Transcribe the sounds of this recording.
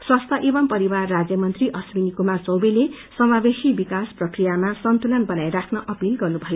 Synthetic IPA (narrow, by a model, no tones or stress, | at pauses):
swast̪ʰʌʔebʌmpʌɾiwarːad͡zjʌmʌnt̪riʔʌsminikumart͡sʌwbele | sʌmabesibikasprʌkrijamasʌnt̪ulʌnbʌnajɾakʰnʌʔʌpilɡʌrnubʱʌjo